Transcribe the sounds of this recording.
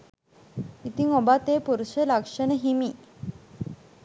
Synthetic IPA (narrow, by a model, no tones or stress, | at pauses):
it̪iŋobat̪eːpuɾuʃəlakʂənəɦimiː